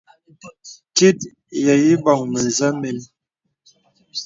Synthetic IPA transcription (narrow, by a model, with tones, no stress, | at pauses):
ti˦t̚ | ja˨ji˦ba˨ŋmə˨za˦me˨˦n